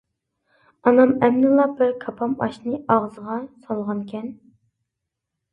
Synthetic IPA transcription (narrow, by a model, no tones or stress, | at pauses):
ɑnɑmɛmnɨlˠɑbɪɾkʰɑpʰɑmɑ̰ʃnɨʔɑʁzəʁɑsɑlˠʁɑnkʲʰɛn